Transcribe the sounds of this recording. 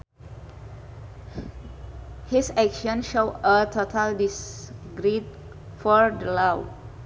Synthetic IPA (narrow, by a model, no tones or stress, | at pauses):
hisɛkʃə̃nʃoətʰotʰaldisɡɾid̚ | fɔɹdəlaw